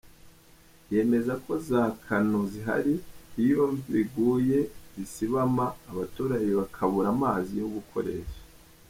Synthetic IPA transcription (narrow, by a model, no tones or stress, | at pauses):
je̞ːme̞zakʰo̞zaːkʰanoziɦa̰ɾiijoːɱviβiɡuːje̞zisiβamaːβatuːɾajeβakʰaβuɾamaːzijoɡukʰo̞̰ɾe̞̰ːʃḁ